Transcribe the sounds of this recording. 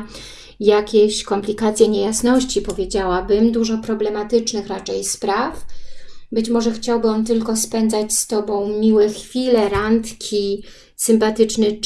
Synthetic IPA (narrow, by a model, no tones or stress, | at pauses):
jakʲeɕkɔmplʲikat̪sʲjɛɲejasnɔɕt͡ɕipɔvʲjed͡ʑawabɘmd̪uʐɔpɾɔblɛmat̪ɘt͡ʂnɘxɾat͡ʂɛjspɾaf | bɘt͡ɕmɔʐɛxt͡ɕawbɘɔnt̪ɘlkɔspɛnd̪zat͡ɕst̪ɔbɔ̃w̃mʲiwɛxfʲilɛɾant̪kʲʰi | sɘmpat̪ɘt͡ʂnɛ